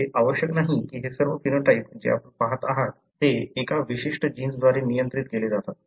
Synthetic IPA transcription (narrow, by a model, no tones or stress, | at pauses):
eʔaʋəɕjəknaɦikiːɦesəɾʋəfinəʈaipd͡ʑḛa̰pəɳpaɦət̪aɦat̪ːeːkaʋiɕiʂʈəd͡ʑiːnsd̪ʋaɾenijənt̪ɾit̪keled͡zat̪at̪